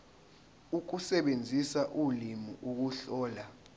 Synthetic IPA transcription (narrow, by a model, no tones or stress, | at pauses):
uk̬usɛɓend͡zʱisaʔulimuʔuk̬uɬɔːla